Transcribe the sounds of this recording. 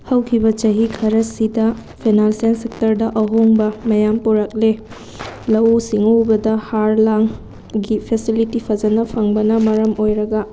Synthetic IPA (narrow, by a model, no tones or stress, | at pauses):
hɐwkʰibɐt͡ʃɐɦikʰɐɾɐsidɐpʰenalsensek̚tɐɾdɐʔɐɦoŋbɐmɐjampoɾɐk̚le | lɐwusiŋobɐdɐhaɾlaŋ | ɡipʰesilitipʰɐd͡ʒɐnɐpʰɐŋbɐnɐmɐɾɐmojɾɐɡɐ